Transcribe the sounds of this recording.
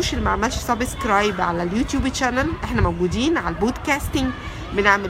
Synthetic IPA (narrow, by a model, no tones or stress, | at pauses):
ʃelmaʕmælʃsˤɑbeskɾɑjbʕalæljuːt̪juːbet͡ʃænælʔeħnæmæwɡuːd̪iːnʕalæboːd̪kæːst̪ɪŋɡ | beneʕmel